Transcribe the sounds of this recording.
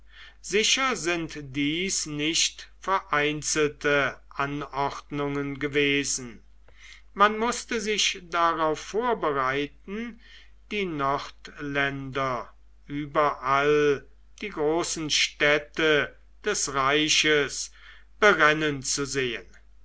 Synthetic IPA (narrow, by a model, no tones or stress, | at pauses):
z̥ɪʃɐzɪntd̥iːsnɪʃtfɛɐʔaɪnt͡sl̩təʔanɔχtnʊŋənɡəveːzn̩ | manmʊstəzɪʃd̥aʁaʊfːoːɐbəʁaɪtn̩ | d̥iːnɔʁtlɛndɐ | ʔyːbɐʔal | d̥iːɡʁoːsn̩ʃtɛtə | d̥ɛsʁaɪʃəs | b̥əʁɛnənt͡suzeːən